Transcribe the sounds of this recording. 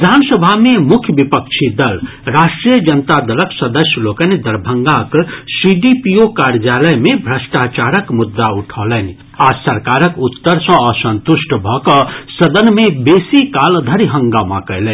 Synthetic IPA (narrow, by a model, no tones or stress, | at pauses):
id̪ʱansəbʱamemukʰjəbipəkt͡ʃʰid̪əl | ɾaʃʈɾijəd͡ʒənət̪ad̪ələksəd̪əsjəlokənid̪əɾbʱəŋɡaksiɖipiokaɾd͡ʒjaləjmebʱɾəsʈat͡ʃaɾəkmud̪ːauʈʰɔlənĭ | asəɾkaɾəkut̪ːəɾsə̃əsə̃nt̪usʈʰbʱɔkəsəd̪ənmebesikald̪ʱəɾiɦəŋɡamã̰kəɪlɛn